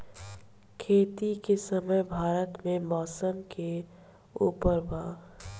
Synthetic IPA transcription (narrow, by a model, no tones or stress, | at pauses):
kʰeːt̪ikesəməjbʱaːɾət̪mẽmɔːsəmke | uːpəɾbaː